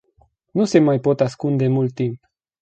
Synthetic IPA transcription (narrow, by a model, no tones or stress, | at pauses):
nusemajpot̪askund̪emult̪ːimp